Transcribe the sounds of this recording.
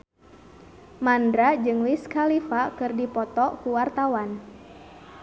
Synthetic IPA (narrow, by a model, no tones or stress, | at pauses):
mandɾad͡ʒɨŋliskalifakɨrdipɔt̪ɔkuwart̪awan